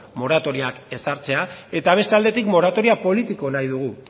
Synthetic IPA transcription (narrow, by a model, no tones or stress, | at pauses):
mo̞ɾat̪o̞ɾiake̞saɾt͡se̞ae̞t̪aβ̞e̞st̪eald̪e̞t̪ikmo̞ɾat̪o̞ɾiapo̞lit̪iko̞najðuɣ̞u